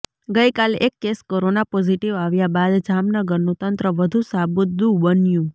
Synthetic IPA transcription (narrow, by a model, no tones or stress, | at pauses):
ɡəjkalekːeskoɾonapɔd͡ʒiʈiʋaʋjabad̪d͡ʒamnəɡəɾnũt̪ənt̪ɾəʋəd̪ʱũsabut̪̚d̪ũbənjũ